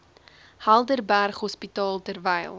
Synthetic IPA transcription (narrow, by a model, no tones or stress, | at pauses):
hælˠdərbærχɦɔspitɑːlˠtərvəjlˠ